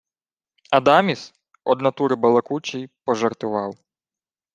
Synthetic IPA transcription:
ɐd̪ɑmʲis | ɔd̪nɐt̪uɾɪbɐlˠɐkut͡ʃijpɔʒɐrt̪ʊʋɑw

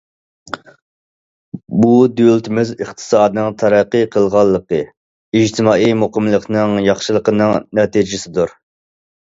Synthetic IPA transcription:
bud̪ølt̪ʰɪmɪzəχt̪ʰɨ̥sɑːd̪ɨnɨŋt̪ʰɑɾæqːəqʰəlˠʁɑlˠːəqə | id͡ʒt̪ʰɪmɑːijmoqəmlˠəqnɨŋjɑχʃɨlˠəqənɨŋnɛt̪id͡ʒɪsɪd̪uɾ

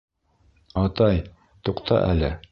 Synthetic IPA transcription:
ɒt̪ɑj | t̪uqt̪ʰɑ̰ʔæ̰lɘ̰

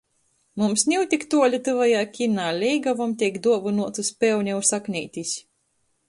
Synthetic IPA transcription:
mumsnʲiwt̪ʲikt̪uɔlʲit̪ɨvajaːkʲinaːlʲɛjɡavɔmt̪ʲɛkd̪uɔvɨnuɔt̪uspʲɛwnʲɛwsaknʲijt̪ʲisʲ

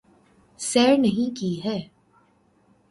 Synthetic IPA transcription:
sɛːɾnɐɦĩkiɦɛː

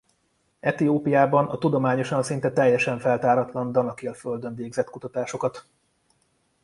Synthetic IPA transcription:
ɛt̪ioːpijaːbɒnɒt̪ud̪o̞maːɲo̞ʃɒnsint̪ɛt̪ɛjːɛʃɛɱfɛlt̪aːɾɒt̪lɒnd̪ɒnɒkeːlføld̪øɱveːɡzɛt̪kut̪ɒt̪aːʃo̞kɒt̪

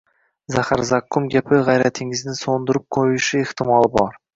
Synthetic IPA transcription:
zahaɾzakːʊmɡʲapʰɪʁajɾæt̪ʰɪŋɪznɪsond̪ʊɾʊp̚qʰojʊʃɪeht̪ɪmɑlˠɪbɒɾ

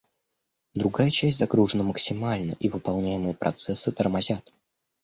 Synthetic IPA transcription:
d̪ɾʊɡajət͡ɕæsʲtʲzɐɡɾuʐənəməksʲɪmalʲnə̰ʔivɨpɐlˠnʲæjɪmɨjəpɾʔɐ̰t̪sɛsːɨt̪ərmazʲat̪

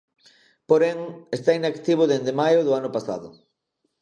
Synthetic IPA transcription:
poɾeŋest̪ainakt̪iβ̞ʊðend̪emajʊðʊanʊpasa̰ðʊ

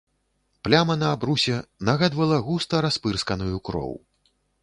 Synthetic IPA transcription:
plʲamɐnɐːbɾusʲɛnaɣad̪vɐlˠɐɣust̪ɐɾaspɨrskɐnujukɾɔ̰w

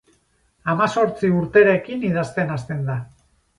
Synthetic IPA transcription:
amaso̞ɾt͡siuɾt̪e̞ɾakinið̞ast̪e̞nast̪e̞nd̪a

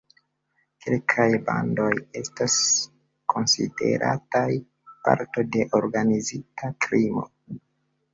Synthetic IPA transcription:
kʰelkʰajbando̞je̞stas | ko̞nsḭde̞̰ɾʔa̰taj | pa̰ɾto̞de̞ʔoɾɡanizitakɾimo̰

